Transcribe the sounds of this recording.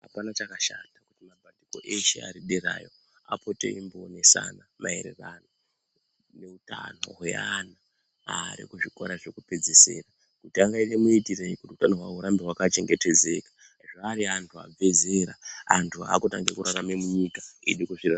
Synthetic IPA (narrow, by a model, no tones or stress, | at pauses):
ɦapanat͡ʃakaʃatakutimabʱadiko̰ʔeʃḛa̰ɾiɗeɾa̰ːjo̞ | a̰po̞tḛimbone̞sa̰namaḛɾḛrano | ne̞uta̰no̞̰ɦweana | aɾḭkuʐiko̞̰ɾaʐekupe̞d͡zese̞̰ːra | kutiaŋɡainemuitireikutiutanoɦwaɦuɾambeɦwakat͡ʃe̞ŋɡe̞te̞d͡ze̞kḁ | ʐaːɾiantʰua̰b͡ve̞ze̞ɾaantʰua̰kutaŋɡekuɾaramemuɲikaḭɗikuʐira